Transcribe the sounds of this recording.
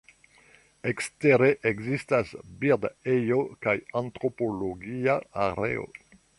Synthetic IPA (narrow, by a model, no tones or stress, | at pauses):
eksteɾeʔeɡzistasbiʁdejokajantɾo̞poloɡiaaɾḛo̰